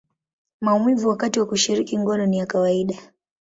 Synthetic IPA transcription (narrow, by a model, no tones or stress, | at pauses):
maumwivuwakatiwakuʃiɾikiŋɡɔnɔnijakawaiɗa